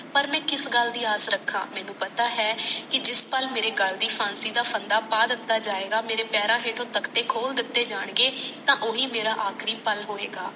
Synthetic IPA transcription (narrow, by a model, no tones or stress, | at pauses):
pəɾmɛ̃ːkɪsɡəld̪iːaːsɾəkʰːa̰ːmɛ̃ːnũːpət̪aːɦɛːkɪd͡ʒɪspəlmeːɾeːɡəld̪iːpʰãːnsiːd̪aːpʰənd̪aːpaːd̪ɪt̪ːaːd͡ʒaːeːɡaːmeːɾeːpɛːɾaːɦeːʈʰõːt̪əkʰt̪eːkʰoːld̪ɪt̪ːeːd͡ʒaːɳɡeːt̪ãːʔoːɦiːmeːɾaːʔaːkʰɾiːpəlɦoːeːɡaː